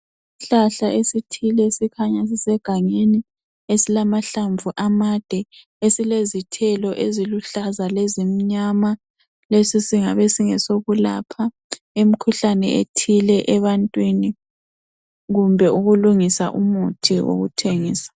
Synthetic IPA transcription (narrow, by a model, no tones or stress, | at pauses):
isiɬaɬaʔesitʰilɛsikʰaɲas̬isɛɡ̥ʱaŋeni | esilamaɬaɱvuʔamad̥ʱɛ | esilezitʰɛlɔʔeziluɬazalezimiɲama | lesisiŋaβɛsiŋɛsoɣula̰pʰa | em̩kʰuɬanɛ̰ʔḛtʰilɛʔɛβantʼwini | ɣumbʱɛʔuɣuluŋisa̰ʔumutʰiwo̰ɣutʰeŋiːsḁ